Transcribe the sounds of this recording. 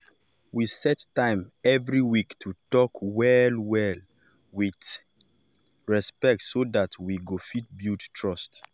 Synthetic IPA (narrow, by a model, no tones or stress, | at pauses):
wisɛtːãɪ̃mɛvɹiwiktʰutɔkwɛlwɛl | wit | ɹɛspɛk̚tsoðatʰwiɡofit̚bjuttʰɹɔst